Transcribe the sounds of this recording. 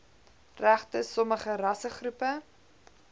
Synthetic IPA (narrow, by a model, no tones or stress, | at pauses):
ræχtəsɔməχərɐsəχrupə